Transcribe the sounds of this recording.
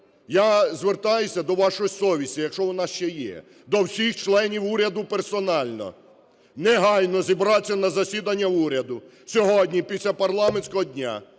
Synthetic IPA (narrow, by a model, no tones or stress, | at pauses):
jazʋert̪ɑjʊsʲɐd̪ɔʋɑʃɔisɔʋʲisʲijɐkʃɔʋɔnɑʃt͡ʃɛjɛ̰ | d̪ɔwsʲixt͡ʃlˠɛnʲiwuɾʲɐd̪ʊpersɔnɑlʲnɔ̰ | nɛɦɑjnɔzʲibɾɑt͡sʲːɐnɐzɐsʲid̪ɐnʲːɐuɾʲɐd̪ʊ | sʲɔɦɔdʲnʲipʲisʲlʲapɐrlˠɑmenʲsʲkɔɦɔdʲnʲa̰